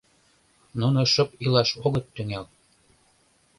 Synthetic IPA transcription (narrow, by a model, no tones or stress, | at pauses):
nunoʃɤ̆pilɑʃoɣɤ̆t̪ːyŋel